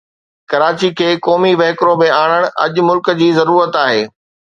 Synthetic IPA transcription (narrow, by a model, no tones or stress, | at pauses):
kɐɾaːt͡ɕikʰeːkɔːmiʋɐɦkɾõmẽaːɽ̃əɽ̃ʔɐ̰ʄʊ̆mʊlkə̆d͡ʑiːzɐɾuːɾət̪aːɦeː